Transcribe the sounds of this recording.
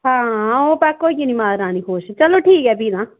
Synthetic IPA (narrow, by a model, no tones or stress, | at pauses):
ɦãːɦãːoːpɛkoːikinĩːmaːɾãːniɦoːʃt͡ʃəloːʈʰiːkɛːbiːd̪ãː